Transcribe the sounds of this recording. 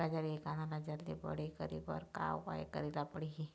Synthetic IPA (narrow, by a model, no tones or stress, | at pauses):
ad͡ʒaɾiekananad͡ʒəɾd̪ibə̰ɽikəɾḭbə̰ɾka̰wpa̰jkə̰ɾilapəɽiɦi